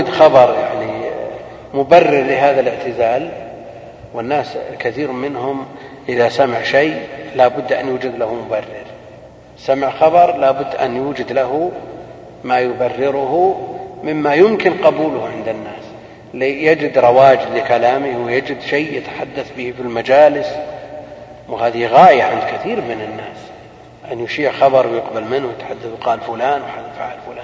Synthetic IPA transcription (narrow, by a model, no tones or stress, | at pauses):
d̪xɑbɑɾˤjaʕni | mʊbarːɪɾlɪɦaːðalɪʕt̪ɪzaːl | wɪnːaːskaθiːɾmɪnɦʊm | ʔɪðasamaʕʃajlabʊd̪ːʔa̰njuːd͡ʒad̪lahmʊbarːɪɾ | samɪʕxɑbɑɾˤlaːbʊd̪ːʔa̰njuːd͡ʒɪd̪laɦʊ | majʊbarːɪɾʊhumɪmːajʊmkɪnqɑbuːlʊhʕɪnd̪ɪnːaːs | lijad͡ʒɪd̪ɾˤɑwaːd͡ʒɪd̪lɪkalaːmɪhwɪjad͡ʒɪd̪ʃejjɪt̪ḁħad̪ːaθbihfɪlmad͡ʒaːlɪs | whaːðiɣaːʔjaʕɪnd̪kɪθiːɾmɪnɪnːaːs | ʔanjʊʃiːʕxɑbɑɾˤwjɪqbalmɪnwjɪt̪ħad̪ːaθwqɑːlfʊlaːnwħad̪jfa̰ʕalfʊlaːn